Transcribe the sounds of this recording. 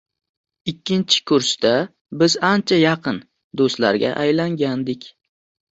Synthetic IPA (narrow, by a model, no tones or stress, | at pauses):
ɪkʲʰːɪnt͡ʃʰɪ̥kʰʊɾst̪a | bɪzant͡ʃʰajɑqʰɨn | d̪ost̪la̰ɾɡʲa̰ʔajlaŋɡʲand̪ɪkʲ